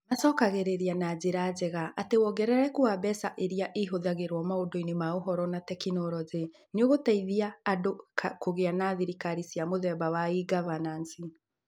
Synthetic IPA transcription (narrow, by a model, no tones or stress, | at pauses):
masɔkaɣeɾeɾianad͡ʑeɾazɛɣaʔatewɔɡɛɾɛɾɛkoabɛsaʔeɾiaʔeɦoðaɣeɾwɔmaodoinemaoɦɔɾɔnatɛkinɔɾɔze | neoɣotaiðiaːdokakoɣeanaːðiɾikaɾisiamoðɛbawaiɡavanansi